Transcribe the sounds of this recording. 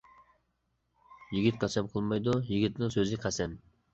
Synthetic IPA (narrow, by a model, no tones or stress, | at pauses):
jiɡʲit̪̚qʰɑsɛmqʰəlˠmojd̪ujiɡʲit̪nɪŋsøzɪqʰæsɛm